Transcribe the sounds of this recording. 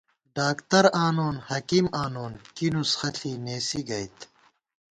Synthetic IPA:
ɖaːkt̪ɐɾaːnoːnhɐkimaːnoːnkinusxɐɬʰineːsiɡɐjt̪

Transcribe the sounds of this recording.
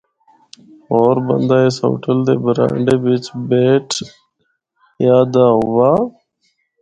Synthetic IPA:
oːɾbə̰nd̪aːeːso̰ːʈʰəld̪ḛːbɾã̰ːɳɖeːʋɪt͡ʃbeːʈʰ | jaːd̪aːɦʊʋaː

